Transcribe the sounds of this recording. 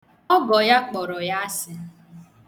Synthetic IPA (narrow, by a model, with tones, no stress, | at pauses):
ɔ˦ɡɔ˨ja˦k͡pɔ˨ɾɔ˨ja˦a˦sɪ˦